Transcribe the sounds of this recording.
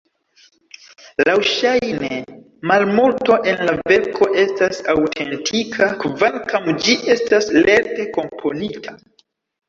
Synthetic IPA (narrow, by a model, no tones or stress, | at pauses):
lawʃajnee | malmulto̞ʔe̞nlave̞ɾkʰo̞ʔe̞stasawtʰe̞ntʰikʰakvaŋkamd͡ʒiʔe̞stasle̞ɾte̞ko̞mpʰo̞nitʰa